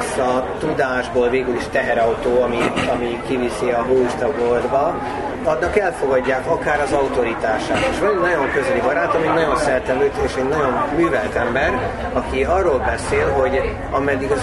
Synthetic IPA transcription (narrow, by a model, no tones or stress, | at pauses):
sɒt̪ud̪aːʒboːlveːɡyliʃt̪ɛɦɛɾɒut̪oːɒmiɒmikivisiɒɦoːuʃt̪ɒɡord̪bɒ | ɒd̪nɒkɛlfo̞ɡɒɟːaːkɒkaːɾɒzɒut̪o̞ɾit̪aːʃaːt̪eːʃʋɒnɛnɒɟo̞ŋkøzɛlibɒɾaːt̪ɒminɒɟo̞nsɛrt̪ɛløːt̪eːʃɛɟnɒɟo̞nmyːvɛlt̪ɛmbɛɾ | ɒkiɒrːoːlbɛseːlɦo̞ɟ | ɒmɛd̪ːiɡɒz